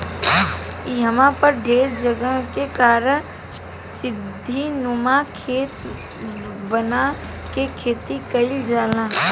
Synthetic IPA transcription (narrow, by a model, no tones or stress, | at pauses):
iɦəmãpəɾɖʱeːɾd͡ʒəɡəkekaːɾən | sɪd̪ʱːinʊmakʰeːt̪ | bəna | kekʰeːt̪ikəɪld͡ʒaːlãː